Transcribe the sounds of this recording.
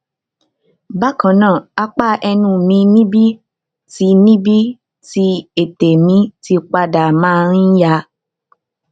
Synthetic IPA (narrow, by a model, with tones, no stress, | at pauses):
ba˦kã˨˦nãː˦˨a˧k͡pa˦ɛ˧nũ˧˨mĩ˧nĩ˦bi˦ | ti˧˦nĩ˦bi˦ | ti˧˦e˨te˨mĩ˨˦ti˧˦k͡pa˧da˨mã˦˨ɾĩ˦ja˧˦